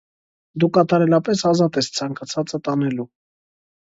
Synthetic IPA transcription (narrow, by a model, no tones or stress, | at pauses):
d̪ukɑt̪ɑɾɛlɑpɛsɑzɑt̪ɛst͡sʰɑŋkɑt͡sʰɑt͡sət̪ɑnɛlu